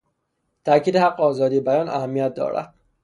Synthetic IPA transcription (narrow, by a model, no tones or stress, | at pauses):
t̪ʰæcʰiːd̪ehæqːeɒːzɒːd̪iːebæjɒːnʔæ̰hæmːijæt̪̚d̪ɒ̰ːɾæ̰d̪̥